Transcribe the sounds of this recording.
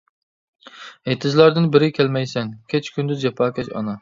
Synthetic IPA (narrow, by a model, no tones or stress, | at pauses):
et̪ʰɪzlˠɑɾd̪ɪnbɪɾɪkʲʰælmɛjsɛŋkʲʰet͡ʃʰkʲʰynd̪ɪd͡ʒɛpʰɑːkʲʰɛt͡ʃɑ̰nɑ